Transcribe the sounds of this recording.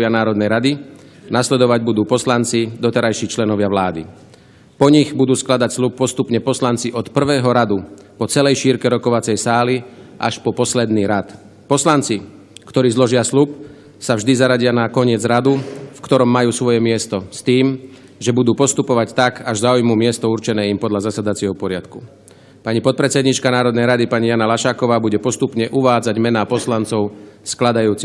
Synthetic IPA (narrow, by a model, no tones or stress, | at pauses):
ʋɪanaːɾɔd̪nɛjɾad̪inaslɛd̪ɔʋaɟbud̪uːpɔslant͡sid̪ɔt̪ɛɾajʃiːt͡ʃlɛnɔʋɪaʋlaːd̪ḭ | pɔɲiɣbud̪uːsklad̪acslup̚ːɔst̪upɲɛpɔslant͡siʔɔt̪pr̩ʋɛːɦɔɾad̪upɔt͡sɛlɛjʃiːɾkɛɾɔkɔʋat͡sɛjsaːliʔa̰ʃpɔpɔslɛd̪niːɾat̪ | pɔslant͡si | kt̪ɔɾiːzlɔʒɪaslup | savʒd̪izaɾaɟɪanakɔɲɪɛd͡zɾad̪ufkt̪ɔɾɔmːajuːsʋɔjɛmɪɛst̪ɔst̪iːm | ʒɛbud̪uːpɔst̪upɔʋact̪akaʒzaːujmumɪɛst̪ɔuɾt͡ʃɛnɛːimpɔd̪ʎazasad̪at͡sɪɛɦɔpɔɾɪat̪ku | paɲipɔt̪̚pɾɛt͡sɛd̪ɲit͡ʃkanaːɾɔd̪nɛjɾad̪ipaɲijanalaʃaːkɔʋaːbuɟɛpɔst̪upɲɛʔuʋaːd͡zaɟmɛnaːpɔslant͡sɔʊsklad̪ajuːt͡si